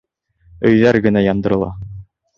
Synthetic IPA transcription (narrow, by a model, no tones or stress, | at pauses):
ɵ̆jðæɾɡɘ̆næjɑnd̪ɤ̆ɾɤ̆lˠɑ̰